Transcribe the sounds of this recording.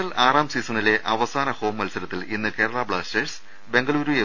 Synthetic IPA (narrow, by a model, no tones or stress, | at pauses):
ɐlaːraːmsiːsɐnile̞ʔɐʋɐsaːnɐho̞ːmʋɐlsɐɾɐt̪ːilinːɨke̞ːɾɐɭaːbɭaːstes | be̞ŋɡɐɭuːɾuje